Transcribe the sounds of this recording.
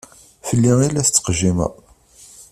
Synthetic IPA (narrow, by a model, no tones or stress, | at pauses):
fəlːiilæst͡sːə̥qʒimæ̰